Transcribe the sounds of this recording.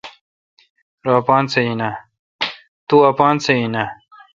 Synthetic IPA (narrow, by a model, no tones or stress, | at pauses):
ɾaːpɑːnt͡seina | t̪uapɑːnt͡seina